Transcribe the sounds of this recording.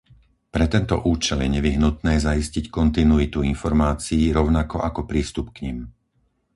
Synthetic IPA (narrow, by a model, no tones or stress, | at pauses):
pɾɛt̪ɛnt̪ɔ̰ʔuːt͡ʃɛljɛɲɛʋiɦnut̪nɛːzaiscickɔnt̪inuit̪uinfɔɾmaːt͡siːɾɔʊnakɔʔakɔpɾiːst̪upkɲim